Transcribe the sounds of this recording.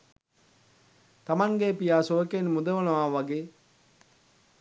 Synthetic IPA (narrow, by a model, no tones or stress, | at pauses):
t̪amaŋɡeːpijaːsoəkenmud̪ɐʋɐnɐʋaːʋaɡeː